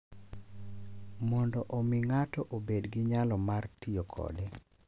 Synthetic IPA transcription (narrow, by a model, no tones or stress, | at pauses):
mɔndɔʔomɪŋatɔʔobedɡɪɲalɔmartiokʰɔ̰de